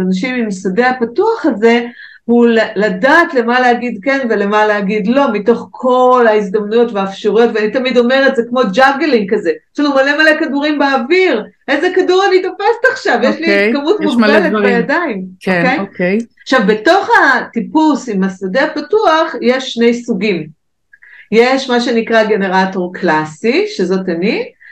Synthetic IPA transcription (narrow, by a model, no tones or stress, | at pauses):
anaʃimimsade̞apatuaχaze̞ | hulaladaːtle̞maleaɡidke̞nve̞le̞maleaɡidlo̞mito̞χkʰo̞laizd̪amnujo̞tveaːfʃaʁujo̞tveanitɐmido̞me̞ʁetzekmo̞d͡ʒaɡeliŋkaze̞filumale̞malekaduʁimbeːviʁʔezekaduʁanit̪afestaχʃavjeʃlikamutmmubeletbejadaimoejkejaχʃavbe̞to̞χatipusimasadeapatuaχje̞ʃːne̞jsuɡim | jeʃmaʃe̞nikʁaɡe̞ne̞ʁato̞ʁklasiʃe̞zo̞tani